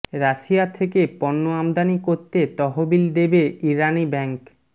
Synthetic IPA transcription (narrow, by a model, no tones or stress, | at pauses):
ɾaʃiat̪ʰekepɔnːoamd̪anikoɾt̪et̪ɔɦobild̪ebeiɾanibɛŋk